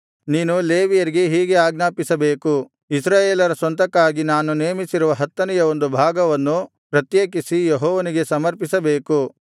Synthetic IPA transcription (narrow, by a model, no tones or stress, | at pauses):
niːnuleːʋijɐɾiɡe̞ɦiːɡe̞aːɡnaːpisɐbe̞ːku | isɾaːjeːlɐɾɐsʋɐnt̪ɐkːaːɡinaːnuneːmisiɾuʋɐɦɐt̪ːɐnɛjɐo̞nd̪ubʱaːɡɐʋɐnːu | pɾɐt̪jeːkisijeɦɔːʋɐniɡe̞sɐmɐɾpisɐbe̞ːku